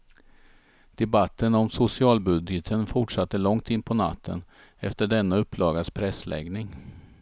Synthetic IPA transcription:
d̪̥ɛbat̪ːənɔmsʊsɪɑːlbɵd̪jət̪ʰənfʊʈʂat̪ːəlɔŋt̪ɪnːpʰɔna̰t̪ʰːə̰n | ɛft̪əɖɛnːaɵpːlɑːɡaspʰɾɛslʔɛ̰ɡnɪŋ

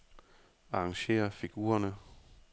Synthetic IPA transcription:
ɑ̈ɑŋɕe̝̰ːɐfiɡ̥ṵːɐnə

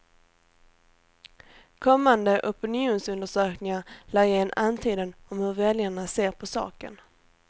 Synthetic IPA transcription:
kʰɔmːand̪əʔɔpɪnɪuːnsɵnd̪əʂøːknɪŋaɾlæːɾjɛnːant̪ʰiːd̪ənɔmhɵɾvɛljaɳaseːɾpʰɔsɑ̰ːkə̰n

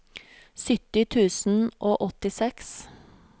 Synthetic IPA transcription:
sʏt̪ɪt̪ʰʉːsn̩ʔoːʔɔt̪ɪsɛks

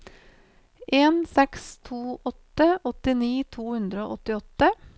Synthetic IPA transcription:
ʔeːnsɛkst̪ʰuːʔɔt̪əɔt̪ɪniːt̪ʰuːhʉnd̪ɾəo̰ːʔɔt̪ɪɔt̪ə

